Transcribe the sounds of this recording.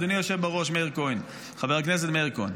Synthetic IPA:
d̪unijoʃevbaʁoʃmeiʁkojn | χaveʁaknɛs̬ɛt̪meiʁko̰jn

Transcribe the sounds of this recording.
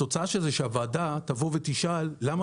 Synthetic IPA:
o̞t͡saaʃezeʃeavaːdat̪avo̞vet̪iʃalːam

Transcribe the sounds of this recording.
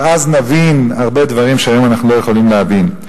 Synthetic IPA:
aznavinaʁbe̞d̪vaʁimʃeajo̞manaχnulo̞jeχo̞limleavin

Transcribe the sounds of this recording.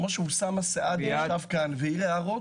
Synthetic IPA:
moʃeusamaseʔad̪aavkanveileaʁo

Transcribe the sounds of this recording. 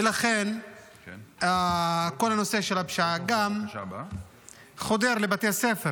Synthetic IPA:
elaχen | ako̞lanose̞ʃelabʃaaɡam | χo̞d̪eʁlebat̪ejasefe

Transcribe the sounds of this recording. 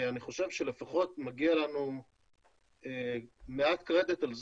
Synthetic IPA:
aniχo̞ʃe̞vʃe̞lefaχo̞t̪maɡialanu | emeat̪kʁed̪et̪alz

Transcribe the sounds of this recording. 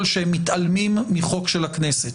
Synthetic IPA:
lʃehemːitʔalmimːiχo̞kʃelhakneset

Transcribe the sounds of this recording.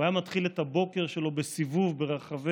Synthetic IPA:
ajamat̪χilet̪habo̞ke̞ʁʃelo̞besivuvbe̞ʁaχave

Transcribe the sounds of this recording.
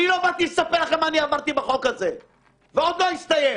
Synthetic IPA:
nilovat̪ilɛsapelaχemaːniavadt̪ibaχo̞kaze̞ | veo̞d̪lo̞ist̪aje

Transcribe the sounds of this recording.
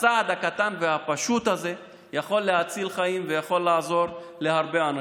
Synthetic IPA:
ad̪hakat̪anveɦapaʃut̪haze̞ | jaχo̞lːeɦat͡silχajimvejaχo̞lːaːzo̞ʁ | le̞ɦaʁbe̞ana

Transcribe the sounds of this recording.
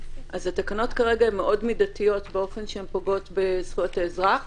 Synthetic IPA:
ʔazatakano̞tkaʁeɡaemːeʔo̞dmidatijo̞tbeo̞fe̞nʃeempoɡo̞tbesχujotaezʁaχ

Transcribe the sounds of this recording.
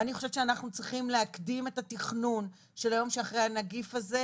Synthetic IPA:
aniχo̞ʃevʃeanaχnut͡sʁiχimleakdime̞tatiχnun | ʃe̞lajo̞mʃeaχʁeanaɡifaze

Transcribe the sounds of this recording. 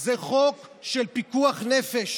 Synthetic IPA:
zeχokʃelpikuaχnefeʃ

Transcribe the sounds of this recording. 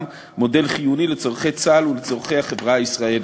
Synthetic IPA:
m | mo̞de̞lχijunilet͡so̞ʁ̞χejt͡salulet͡so̞ʁχejhaχevʁaisʁael

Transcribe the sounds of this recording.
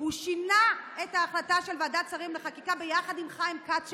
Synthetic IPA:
uʃinaetaːχlataʃelvaːdat͡saʁimleχakikabejaχadimχaimkat

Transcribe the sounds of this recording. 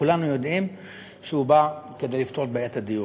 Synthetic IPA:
ulanujo̞dʔim | ʃehubake̞delift̪oʁt̚beetadiju

